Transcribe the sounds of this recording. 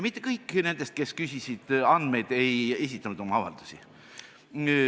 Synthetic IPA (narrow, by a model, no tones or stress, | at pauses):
mit̪ˑːe̞kɤjkːˑne̞nd̪̥e̞st̪̚ke̞skysʲisid̪̥ɑnd̪̥me̞jd̪̥e̞je̞s̬ʲit̪ːˑɑnud̪o̞mɑɑvɑ̰ld̪̥u̥sʲi